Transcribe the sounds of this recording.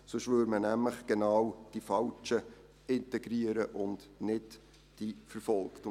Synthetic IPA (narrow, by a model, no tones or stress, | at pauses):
sʊʃʋøɾmənæmləχɡ̥enɑwd̥ifɑlt͡ʃə | ɪntɛɡɾiəɾəʔʊndnɪd | d̥ifəɾfɔlkt